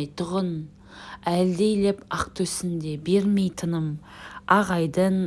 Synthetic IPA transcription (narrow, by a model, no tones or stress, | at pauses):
jt̪ʰʊʁən | æld̪e̞jlepɑq̚t̪ʰɵsɪnd̪e̞be̞ɾme̞jt̪ʰənəm | ɑʁɑjd̪ən